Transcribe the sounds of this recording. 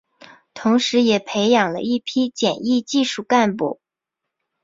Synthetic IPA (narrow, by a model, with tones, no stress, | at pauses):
t̪ʰʊ˧˥ŋʂɻ̩˧˥jɛ˨˩pʰe˧˥ɪjɑ˨˩ŋlə̰˦i˥˩pʰi˥t͡ɕjɛ˨˩ni˥˧t͡ɕi˥˧ʂu˥˩ka˥˧npṵ˥˩